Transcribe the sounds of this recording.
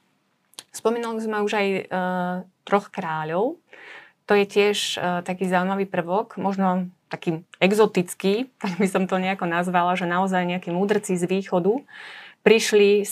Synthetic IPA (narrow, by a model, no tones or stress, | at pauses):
spɔmiːnulizmɛuʒaj | t̪ɾɔxkɾaːʎɔʊt̪ɔjɛcɪɛʃt̪akiːzaʊuimaʋiːpr̩ʋɔɡmɔʒnɔt̪akiːɛɡzɔt̪it͡skit̪aɡbisɔmt̪ɔɲɛakɔnazʋalaʒɛnaɔzajɲɛakiːmuːd̪r̩t͡sizʋiːxɔd̪upɾiʃli